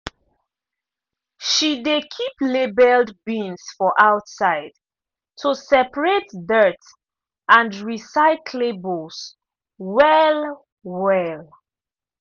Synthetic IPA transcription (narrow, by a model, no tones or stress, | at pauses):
ʃidekʰiplebɛldbĩnsfɔʔaʊtsaɪd̥ | tʰusɛpəɹetdɜt | ãndɹisaɪkʰlebols | wɛl | wɛl